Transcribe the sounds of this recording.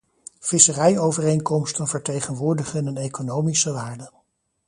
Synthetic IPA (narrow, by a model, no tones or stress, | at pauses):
v̥ɪsərɛjowvərejŋkɔmstənvəɹtejχənʋʊːɹdəχənənejkonowmisəʋaːɹdə